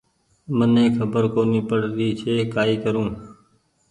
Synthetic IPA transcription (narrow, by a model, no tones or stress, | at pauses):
mənẽːkʰəbəɾkoːniːpəɽd̪iːt͡ʃʰeːkaːiːkəɾũː